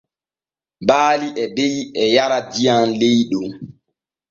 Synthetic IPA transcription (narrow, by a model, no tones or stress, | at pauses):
baːliʔɛbejɛjaɾadijanlejɗum